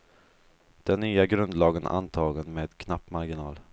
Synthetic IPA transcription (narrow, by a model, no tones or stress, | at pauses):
d̪̥ɛnːyːaɡɾɵnd̪lɑːɡəna̰nt̪ʰɑːɡənmeːd̪kʰnapːmaɾɡɪnɑːl